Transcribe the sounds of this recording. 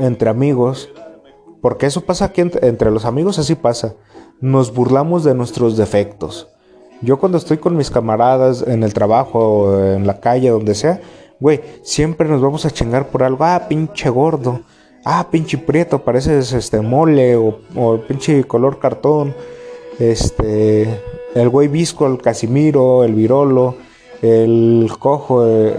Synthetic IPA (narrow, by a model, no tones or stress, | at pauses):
e̞nt̪ɾe̞amiɣo̞s | po̞ɾke̞e̞so̞pasakient̪ent̪ɾe̞lo̞samiɣo̞sas̬ipasa | no̞zβuɾlamo̞zðe̞nwe̞st̪ɾo̞zðe̞fe̞k̚t̪o̞s | ɟ͡ʝo̞kwand̪oest̪o̞jko̞nmiskamaɾað̞asene̞lt̪ɾaβaxoenlakaʝeðo̞nd̪e̞seawejsjempɾenozβamosat͡ʃiŋɡaɾpoɾalɣoapint͡ʃeɣoɾðo | apint͡ʃipɾjet̪opaɾes̬esest̪emoleoopint͡ʃikoloɾkaɾt̪on | est̪e | elɡwejβiskoelkasimiɾoelβiɾolo | elkoxo